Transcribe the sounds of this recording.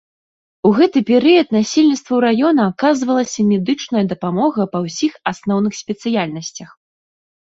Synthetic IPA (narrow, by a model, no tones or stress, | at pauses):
uɣɛt̪ɨpʲɛɾɨjɐt̪nasʲilʲnʲit̪st̪vɐwɾajɔnɐːkazvɐlˠɐsʲɐmʲɛd̪ɨt͡ʂnɐjɐd̪ɐpamɔɣɐpɐwsʲixasnɔwnɨxsʲpʲɛt̪sɨjalʲnɐsʲt͡sʲɐx